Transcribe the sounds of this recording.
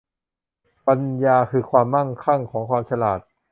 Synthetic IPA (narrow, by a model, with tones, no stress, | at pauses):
pa˧njaː˧kʰɯː˧kʰwaː˧mːa˥˩ŋkʰa˥˩ŋkʰɔː˩˦ŋkʰwaː˧mt͡ɕʰa˧laː˨˩t̪̚